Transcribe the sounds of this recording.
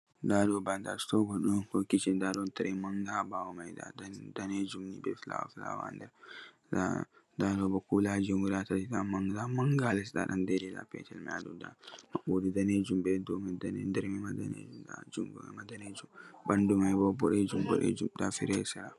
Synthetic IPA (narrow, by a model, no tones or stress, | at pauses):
dadɔbanda̰stɔɡɔɗɔnkɔkit͡ʃindadɔntaɾɛmaŋɡabawɔmajda̰ddaned͡ʒumnibɛfla̰w̰fla̰wa̰ndɛɾ | da̰ | dadɔbɔkulad͡ʒuŋɡudatatidamaŋdamaŋɡalɛsda̰ɗandeɾila̰pɛ̰tɛlmɛ̰a̰dɔda̰maɓodudaned͡ʒumbɛdɔmɛdandɛɾmɛmada̰nḛd͡ʒumda̰d͡ʒumɡuɛ̰madaned͡ʒumbandumajbɔbɔɗɛd͡ʒumbɔ̰ɗɛ̰d͡ʒumdafḭɾɛsɛɾa